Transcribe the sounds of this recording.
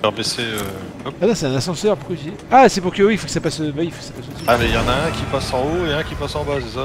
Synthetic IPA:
ɛʁbeseø | kɔanɔ̃sɛt̪ɛ̃nasɑ̃sœʁpχyvje | asɛpuʁkəwiifokə̥sapasøvaifokəsapasosĩamɛjɑ̃naɛ̃kʲipasɑ̃oeɛ̃kʲipasɑ̃basesa

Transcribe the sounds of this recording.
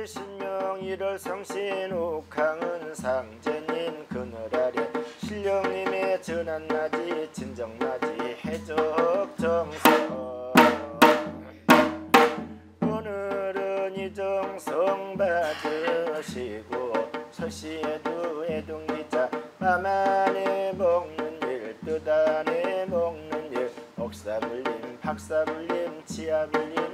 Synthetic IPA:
eɕʰinmjʌŋiɾʌɭsʰʌŋɕʰiɾokʰaŋɯnsʰaŋd͡ʑeɲinkɯnɯɾaɾjeɕʰiʎːʌŋɲimet͡ɕɯnanmad͡ʑit͡ɕind͡ʑʌŋmad͡ʑihed͡ʑʌk̚t͡ɕʌŋsʰʌ | onɯɾɯnid͡ʑoŋsʰʌŋbadɯɕʰiɡosʰʌɕieduedoŋɡid͡ʑamamanemʌŋnɯniɭtodanemʌŋnɯniɭʌk̚s͈abuʎːinpʰak̚s͈abuʎːint͡ɕʰiabuʎːin

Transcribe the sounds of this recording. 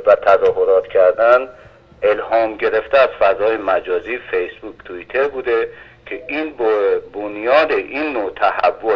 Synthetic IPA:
væt̪ʰæzɒːɦoɾɒːt̪cʰæɾd̪æn | elhɒːmɟe̞ɾe̞ft̪eæz̥fæzɒːjemæd͡ʒɒːziːfejsbuːkʰt̪ʰuit̪ʰe̞ɾbuːd̪e | cʰeʔinbbonjɒːd̪eʔiːnːot̪ʰæhævːo

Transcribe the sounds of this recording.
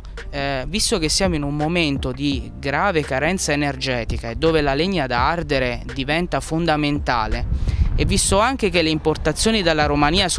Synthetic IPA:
vist̪ok̟esːjaːmoinumːoment̪od̪i | ɡɾaːvekaɾɛnt̪saenerd͡ʒɛːt̪ikaed̪ːoːvelaleɲːad̪aard̪eɾed̪ivɛnt̪afond̪ament̪a̰ːleevːist̪oaŋk̟ek̟elːeimport̪at̪sːjoːnid̪elːaɾomaniːas

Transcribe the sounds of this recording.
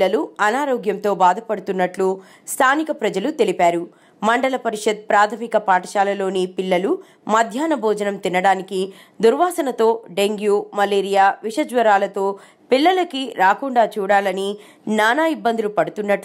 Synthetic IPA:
ɐluɐnaːɾoːɡjɐmt̪o̞ːbaːd̪ʱɐpɐɽut̪unːɐʈlu | st̪ʰaːnikɐpɾɐd͡ʒɐlut̪e̞lipaːɾu | mɐɳɖɐlɐpɐɾiʂɐt̪̚pɾaːt̪ʰɐmikɐpaːʈɐʃaːlɐlo̞ːnipilːɐlu | mɐd̪ʱjaːnɐbʱɔːd͡ʒɐnɐmt̪inːɐɽaːniki | d̪uɾʋaːsɐnɐt̪o̞ːɖe̞ŋɡjuːmɐleːɾijaːʋiʂɐd͡ʒʋɐɾaːlɐt̪o̞ː | pilːɐlɐkiɾaːkuɳɖaːt͡ʃuːɽaːlɐni | naːnaːibːɐnd̪ilupɐɽut̪unːɐʈ

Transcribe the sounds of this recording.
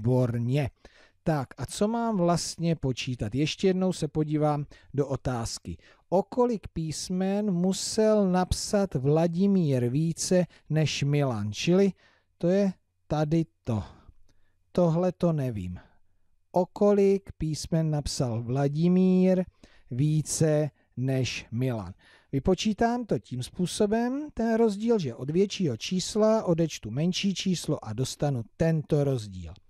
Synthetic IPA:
boɾɲɛ | t̪akʔat͡so̞maːmvlast̪ɲɛpo̞t͡ʃiːt̪at̪jɛʃcɛjɛdno̞wsɛpo̞ɟiːvaːmdo̞ʔot̪aːskɪ̰ | ʔo̞ko̞lɪkpiːsmɛnmusɛlnapsat̪vlaɟɪmiːɾviːt͡sɛ | nɛʃmɪlaːnt͡ʃɪlɪ | t̪o̞jɛ | t̪adɪt̪o | t̪o̞ɦlɛt̪o̞nɛvḭːm | ʔo̞ko̞lɪkpiːsmɛnːapsalvlaɟɪmiːɾ | viːt͡sɛ | nɛʃmɪla̰n | vɪpo̞t͡ʃiːt̪aːmt̪o̞ciːmspuːso̞bɛmt̪ɛnɾo̞zɟiːlʒɛʔo̞dvjɛt͡ʃiːɦo̞t͡ʃiːslaʔo̞dɛt͡ʃt̪umɛnʃiːt͡ʃiːsloʔado̞st̪anut̪ɛnt̪o̞ɾo̞zɟḭːl

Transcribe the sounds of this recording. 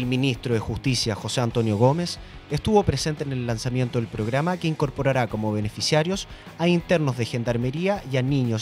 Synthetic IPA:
elminist̪ɾoðexust̪isjaxo̞seant̪o̞njo̞ɣo̞me̞sest̪uβo̞pɾese̞nt̪eːne̞lːansamje̞nt̪o̞ðe̞lpɾo̞ɣɾamakeiŋko̞ɾpo̞ɾaɾako̞mo̞βe̞ne̞fisjaɾjo̞s | aint̪eɾnozðe̞xe̞nd̪aɾme̞ɾiaianiɲos

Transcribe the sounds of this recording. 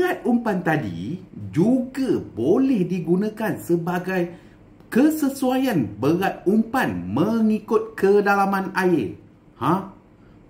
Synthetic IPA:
at̪̚umpant̪adḭd͡ʒuɡabolɛhdiɡunãkansəbaɡaj | kəsəsuajanbəɣat̪̚umpanmə̃ŋikʊt̪̚kədalamãnaɪr | hã

